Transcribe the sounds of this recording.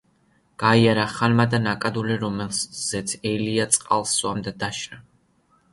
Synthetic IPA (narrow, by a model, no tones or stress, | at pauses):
ɡ̥aiaɾaχanmad̪anakʼad̪uliɾɔmɛlz̥ɛt̪sʰɛliat̪sʼqʼalˠsuamd̪ad̪aʃɾa